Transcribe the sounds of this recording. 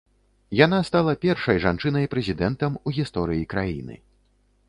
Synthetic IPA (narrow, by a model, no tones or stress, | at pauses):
janast̪alˠɐpʲɛrʂɐjʐant͡ʂɨnɐjpɾɛzʲid̪ɛnt̪ɐmuɣʲist̪ɔɾɨjikɾajḭnɨ̰